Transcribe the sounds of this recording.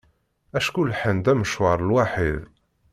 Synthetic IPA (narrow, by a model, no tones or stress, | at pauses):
æʃkulħənd̪æməʃwɑɾˤəlwaħið